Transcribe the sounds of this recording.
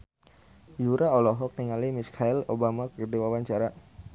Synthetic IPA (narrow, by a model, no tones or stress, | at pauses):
juɾaolɔɦɔk̚niŋalimiskʰailobamakərdiwawaɲt͡ʃaɾa